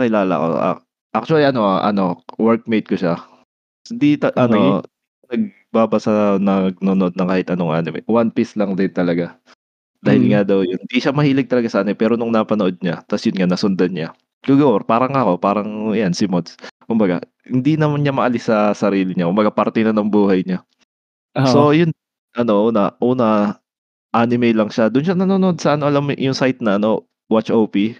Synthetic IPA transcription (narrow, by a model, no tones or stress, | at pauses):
kɪlaːlɐ̰ko̞̰ʔa̰ | ʔak̚t͡ʃʊɐliʔɐno̞ʔʔɐ̰no̞wɛɾk̚mejt̪̚koʃa | ɪnd̪it̪ɐʔɐno | nɐɡ̚ | baːbɐsɐnɐɡ̚noːnoʔod̪nɐkaːhɪt̪ʔɐnoŋʔa̰nɪmɛ̰wanpɪslɐŋd̪ɪnt̪ɐlɐɡa | d̪aːhɪlŋad̪ɐwjʊd̪iʃamɐhiːlɪɡ̚t̪ɐlɐɡasɐʔɐnojpɛːɾonʊŋnɐpɐnoʔo̞d̪̚ɲat̪ɐsjʊnŋanɐsʊnd̪ɐnɲa | kʊɡɐwɛɾpaːɾɐŋɐko̞paːɾɐŋjansɪmod̪skʊmbɐɡa̰ | hɪnd̪inɐmanɲamɐʔɐlɪsːɐsɐɾiːlɪɲakʊmbɐɡapɐɾt̪ɛnɐnɐŋbuːhɐjɲa | so̞jʊn | ʔɐno̞ʔuːnɐʔuːnɐ | ʔaːnɪmɛjlɐŋʃad̪ʊnʃanɐnonʔod̪̚sɐʔɐnoʔɐlamjʊŋsajt̪̚nɐʔɐno̞ | wat͡ʃʔowpi